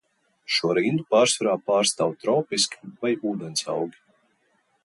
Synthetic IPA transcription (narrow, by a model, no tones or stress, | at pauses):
ʃuɔɾiːnd̪upaːɾsvaɾaːpaːɾst̪aːwt̪ɾɔwpiskʲi̥vajuːd̪ɛnsa̰wɡʲi